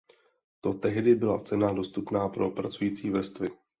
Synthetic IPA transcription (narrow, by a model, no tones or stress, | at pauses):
t̪o̞t̪ɛɦdɪbɪla̰t͡sɛnado̞st̪upnaːpɾo̞pɾat͡sujiːt͡siːvɛst̪vɪ